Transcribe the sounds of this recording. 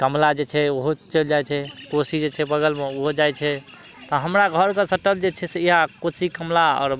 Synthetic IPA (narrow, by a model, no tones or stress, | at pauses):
kəmlad͡ʒet͡ʃʰɛoɦot͡ʃəld͡ʒajt͡ʃʰɛkosid͡ʒet͡ʃʰɛbəɡəlmeoɦod͡ʒajt͡ʃʰɛ | t̪ɔɦəmɾaɡʱəɾkesəʈəld͡ʒet͡ʃʰɛseiɦakosikəmlaɔ̰ːɾ